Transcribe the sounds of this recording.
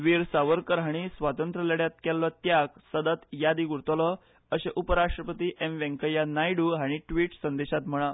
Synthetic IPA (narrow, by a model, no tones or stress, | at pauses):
ʋiɾsaʋəɾkəɾɦaɽ̃isʋat̪ənt̪ɾəleɽjat̪̚kɛlːɔt̪̚jaksəd̪ət̪jad̪iːɡuɾt̪əlɔ | əɕeʔupəɾaʂʈɾəpət̪iːʔemʋẽŋkəjanajɽuːɦaɽ̃iʈʋiːʈsənd̪eɕat̪m̤əɭ̃a